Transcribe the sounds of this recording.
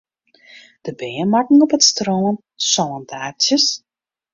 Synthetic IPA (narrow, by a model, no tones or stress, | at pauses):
d̥əbeːənmakŋ̩ɔpətstroːən | sɔləntaːtjəs